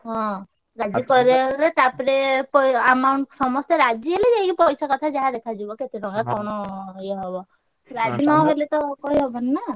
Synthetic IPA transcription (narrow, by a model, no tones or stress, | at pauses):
ɦɔ̃ | ɾad͡ʒipɔɾeɦelet̪apɔɾepɔamawɳʈsɔmɔst̪eɾad͡ʒiɦeled͡ʒekipɔjsakɔt̪ʰad͡ʒaɦad̪ekʰad͡ʒibɔket̪eɾɔŋɡakɔɽ̃ɔjaɦɔbɔ | ɾad͡ʒinɔɦelet̪ɔkɔɦiɦɔbɔnena